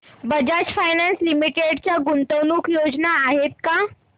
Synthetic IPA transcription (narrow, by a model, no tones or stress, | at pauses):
bəd͡ʑad͡ʑfajnanslimiʈeɽt͡ɕjaɡunt̪əwnuːkjod͡znaːɦet̪̚ka